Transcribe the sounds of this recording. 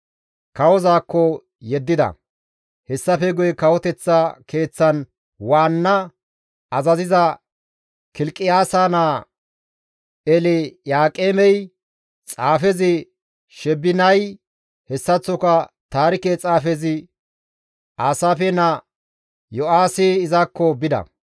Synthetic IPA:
kɐwɔzaːkːɔ | jɛd̪ːɪd̪ɐ̰ | hɛsːɐfɛɡʊjɛkɐwɔt̪ɛt͡sːakʰe̞ːt͡sːɐn | waːnːɐ | ɐzɐzɪzɐ | kɪlkʼːɪjaːsaːnaː | ɛlɛjaːkʼeːmɛj | t͡sʼaːfɛzɪ | ʃɛbːɪnɐj | hɛsːɐt͡sːɔkɐ | t̪aːɾɪket͡sʼaːfɛzɪ | ʔaːsaːfɛnɐ | jɔaːsɪɪzakːɔbɪd̪ɐ̰

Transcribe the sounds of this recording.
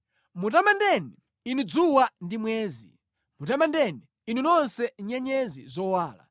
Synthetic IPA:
mutamandɛni | inid͡zuwandimwɛːzi | mutamandɛni | ininɔnsɛɲɛɲɛzizɔwaːla̰

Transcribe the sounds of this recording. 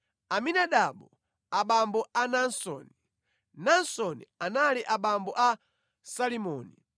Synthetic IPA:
aminaɗaɓɔ | aɓambɔanansɔ̰ːni | nansɔnḭanaliʔaɓambɔʔa | salimɔːnḭ

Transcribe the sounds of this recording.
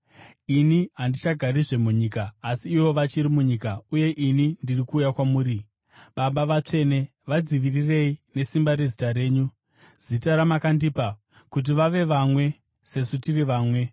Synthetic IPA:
iniɦandit͡ʃaɡʱaɾiʐe̞muɲiːkaːsiːʋo̞ʋat͡ʃiɾimuɲikauje̞ʔinindirikuːjakwamuːɾi | ɓaɓaʋat͡ʂe̞ne̞ | ʋad͡ziʋirire̞ine̞simbaɾe̞zitaɾe̞ːɲu | z̥itaɾamakandiːpa | kut̬iʋaʋe̞ʋamwe̞ | se̞sutiriʋaːmwe̞

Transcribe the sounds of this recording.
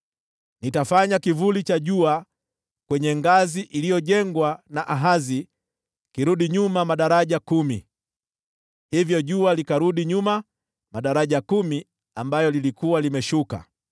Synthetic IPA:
nitafaɲakivulit͡ʃaʄua | kwɛɲɛŋɡaziʔilijɔʄɛŋɡwanaʔaɦazi | kiɾuɗiɲumamaɗaɾaʄakumi | hivjɔʄualikaɾuɗiɲuma | maɗaɾaʄakumi | ambajɔlilikuwalimɛʃuka̰

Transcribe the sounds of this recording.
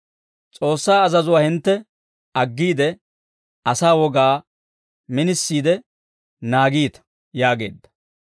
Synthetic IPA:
t͡sʼo̞ːsːaːɐzɐzʊwaːhɪnt̪ːɛ | ɐɡːiːd̪ɛ | ɐsaːwɔɡaː | mɪnɪsːiːd̪ɛ | naːɡiːt̪ɐ̥ | jaːɡe̞̰ːd̪ːɐ̥

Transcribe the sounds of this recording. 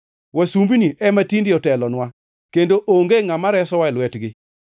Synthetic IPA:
wasumbiniʔɛmatindɪɔtɛlɔnwa | kendoʔoŋɡeŋamaɾɛsɔwaɪlwɛtɡɪ

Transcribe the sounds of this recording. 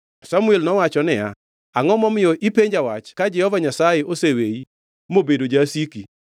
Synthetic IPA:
samuɛlnɔwat͡ʃɔnɛja̰ | aŋɔmɔmɪjɔʔipeɲd͡ʒawat͡ʃkad͡ʒɛhɔvaɲasajeʔosewei | mobedod͡ʒasiki

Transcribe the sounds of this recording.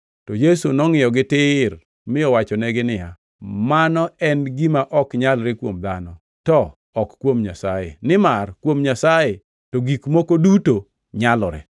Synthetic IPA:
tɔjesunɔŋɪjɔɡɪtɪr | mɪɔwat͡ʃɔnɛɡɪnɪja | manɔɛnɡimaʔɔkɲalɾɪkwomd̪anɔ | tɔ | ɔkkwomɲasajḛnɪmarkwomɲasaje | toɡikmokoduto | ɲalɔɾɛ̰

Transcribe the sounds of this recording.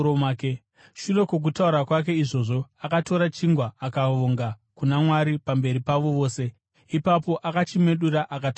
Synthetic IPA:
oake | ʃune̞kwok̬utauɾakwak̬e̞iʐo̞ːʐo̞akato̞ɾat͡ʃiŋɡwaakaʋoŋɡakunamwaɾipambe̞ɾipaʋo̞ʋo̞ːse̞ | ipapo̞ʔakat͡ʃime̞ɗuɾaʔakat

